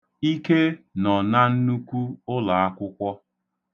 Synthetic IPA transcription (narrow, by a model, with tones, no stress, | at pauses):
i˦ke˦nɔ˨na˦n̩˦nu˦kʷu˦ʊ˦la˨a˦kʷʊ˦kʷɔ˦